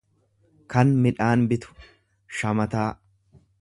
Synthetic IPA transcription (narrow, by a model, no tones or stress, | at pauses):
kɐnmɪᶑaːnbɪt̪ʊ̥ | ʃɐmɐt̪aː